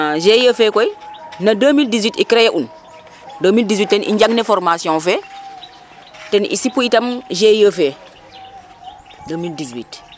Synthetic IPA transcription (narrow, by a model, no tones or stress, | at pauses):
ʒejəfɛkɔjinadəmildiswitikɾejɛʔun | domildiswit̚tɛnʔḭɲɟaŋnefɔɾmasijɔ̃nfɛ | tɛnḭsipuitɐmʒejəfe | dəmildizwit